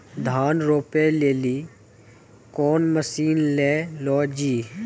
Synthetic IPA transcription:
d̪ʱaːnɾoːpeleːliː | kɔːnməsiːnleːlɔːd͡ʒiː

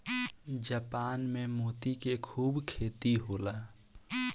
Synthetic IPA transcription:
d͡ʒəːpaːnmẽmoːt̪ikekʰuːbkʰeːt̪iɦoːlaː

